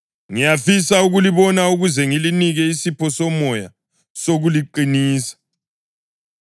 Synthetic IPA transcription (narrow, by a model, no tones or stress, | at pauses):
ŋijafisauɣuliβɔnauɣuzɛŋiliniɣɛisipʰɔsɔmɔja̰ | soɣuliǃiniːsḁ